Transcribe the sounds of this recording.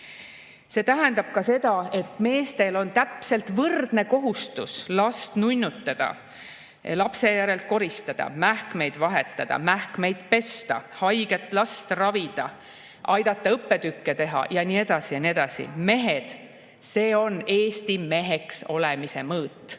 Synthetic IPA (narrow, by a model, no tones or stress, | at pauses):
se̞t̪æɦend̪ɑb̥̚kɑse̞d̪̥ɑe̞t̪ˑme̞ːst̪e̞lo̞nt̪æpse̞lt̪vɤrd̪̥ne̞ko̞ɦust̪uslɑst̪nujnʲːut̪ːˑɑd̪̥ɑ̰ | lɑpse̞jæɾe̞lt̪̚ko̞ɾist̪ɑd̪̥ɑ̰mæhkme̞jd̪vɑɦe̞t̪ːˑɑd̪̥ɑ̰mæhkme̞jd̪̥pe̞st̪ɑ̰hɑjɡ̥et̪ˑlɑst̪rɑvid̪̥ɑ | ʔɑjd̪̥ɑt̪ˑːɑɤpːe̞d̪ykːe̞t̪e̞ɦɑ̰jɑnie̞d̪̥ɑsijɑnie̞d̪ɑsḭme̞ɦe̞d̪̥ | se̞ːo̞ne̞ːst̪ime̞ɦe̞kso̞lemise̞mɤːt̪ːˑ